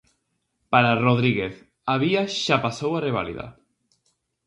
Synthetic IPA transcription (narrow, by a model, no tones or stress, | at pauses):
paɾaroðɾiɣeθ | aβiaʃapasowareβ̞alḭða̰